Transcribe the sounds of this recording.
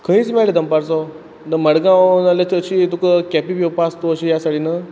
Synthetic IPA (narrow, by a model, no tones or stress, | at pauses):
kʰəɦĩːt͡smɛɭed̪əmpaɾt͡sɔ | d̪əməɽɡãwnalət͡ɕəɕit̪ukəkɛpipowpast̪oːɕijasaɽinə